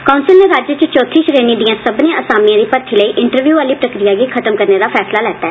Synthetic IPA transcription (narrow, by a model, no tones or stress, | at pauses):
kaʊnsɪlneːɾaːd͡ʒət͡ʃt͡ʃoːt̪ʰiːʃɾeːnĩːd̪ɪjãːsəbnẽʔəsaːmijãːd̪iːpəɾt̪ʰiːləiːʔɪɳʈəɾʋjuːaːliːpɾəkɾijaːɡiːkʰət̪əmkəɾneːd̪aːpʰɛːslaːlɛːt̪aɛː